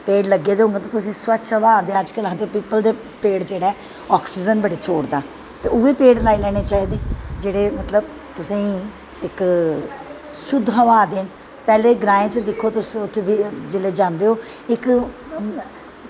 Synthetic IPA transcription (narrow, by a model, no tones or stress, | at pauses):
peːɽləɡːeːd̪eɦõːŋɡeːt̪ãːt̪ʊsẽːswəʃʰəʋaːd̪eːəd͡ʒkələd̪eːpiːpəld̪eː | peːɽd͡ʒeːɽaː | ɔːksiːd͡ʒənbəɖeːt͡ʃʰoːɽd̪aː | t̪eːʊeːpeːɽlaːiːlɛːɽ̃eːt͡ʃaːɦiːd̪eːd͡ʒeːɽeːmət̪ləb̚ | t̪ʊsĩːi | ɪk | sʊd̪ʱɦəʋaːd̪eːɳ | pɛːleːɡɾãːẽːt͡ʃd̪ɪkʰːoːt̪ʊsĩːʊt̪ʰːeʋiːd͡ʒeːleːd͡ʒãːnd̪eːɦoː | ɪk